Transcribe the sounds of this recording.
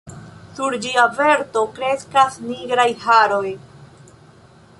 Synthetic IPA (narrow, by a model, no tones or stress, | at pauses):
suɾd͡ʒiave̞ɾto̞kɾe̞skasniɡɾajhaɾo̞j